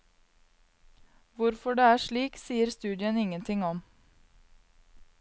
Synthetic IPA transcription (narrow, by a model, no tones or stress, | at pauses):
ʋʊɾfɔɖeːæːʃɭiːksiːəɾst̪ʉːd̪ɪənɪŋənt̪ʰɪŋɔm